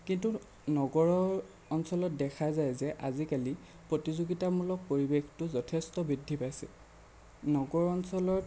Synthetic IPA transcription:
kintu | nɔɡɔɹɔɹ | ɔnsɔlɔt̚dɛkʰazajzɛʔazikali | pɹotizuɡitamulɔk̚poɹibextʊzɔtʰestɔbɹidʱːipajsɛ | nɔɡɔɹɔnsɔlɔ

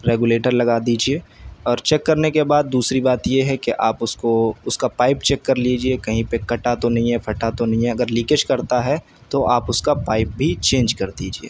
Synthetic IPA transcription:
ɾeːɡuleːʈəɾlɐɡaːd̪iːd͡ʒieːɔːɾt͡ʃɛkːɐɾnekebaːd̪̚ːuːsɾibaːt̪jeɦɛkeʔaːpʊskoʊskapaːɪp̚t͡ʃɛkːɐɾliːd͡ʒiekɐɦĩpekɐʈat̪onɐɦĩɦɛpʰɐʈat̪onɐɦĩɦɛɐɡəɾliːkəʃkɐɾt̪aɦɛ | t̪oʔaːpʊskapaːɪp̚bʱit͡ʃẽːnd͡ʒkɐɾd̪iːd͡ʒiḛː

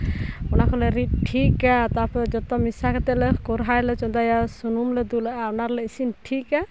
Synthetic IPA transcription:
ɔnakʰɔlɛɾit̪̚ʈʰikat̪apɛd͡ʒɔt̪ɔmisakɛt̪ɛlɛkɔɾɦajlɛt͡ʃɔd̪ajasunumlɛd̪ulaʔaɔnaɾlɛisinʈʰika

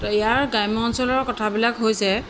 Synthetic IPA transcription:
ijaɹɡajmɔnsɔlɔɹkɔtʰabilakɦojsɛ

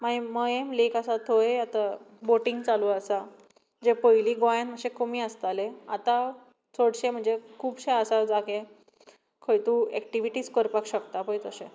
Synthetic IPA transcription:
maeməjemlekasat̪ʰoeat̪a | boʈiŋɡt͡saluəsa | d͡ʑepəjliːɡajãnməɕẽkomĩəst̪aleat̪a | t͡soɽɕem̤əɳd͡zekʰuːbɕeəsad͡zake | kʰəjt̪uɛkʈiʋiʈiːt͡skəɾpakɕəkt̪apəjt̪oɕe

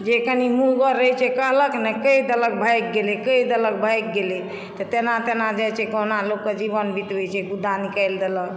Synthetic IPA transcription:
d͡ʒekənimuɡəɾːəɦjt͡ʃʰɛkəɦləknɛkəid̪ələk̚bʱəjk̚ɡelekəid̪ələk̚bʱəjk̚ɡele | t̪ɔt̪enat̪enad͡ʒajt͡ʃʰɛkoɦnalokːed͡ʒibənbʱit̪bet͡ʃʰɛɡud̪ʱanikəjld̪elək

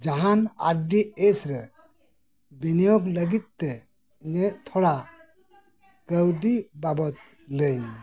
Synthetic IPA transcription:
d͡ʒaɦana̰ɾɖiesɾɛ | binijɔɡləɡit̪̚t̪ɛ | ɲeʔt̪ʰɔɽa | ɡ̥əwɖibabɔt̪̚ | ləjɲ

